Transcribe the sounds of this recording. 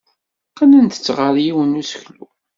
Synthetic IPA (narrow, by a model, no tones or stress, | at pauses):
qːanænt̪ə̥t͡sːʁəɾjiwənusəçlu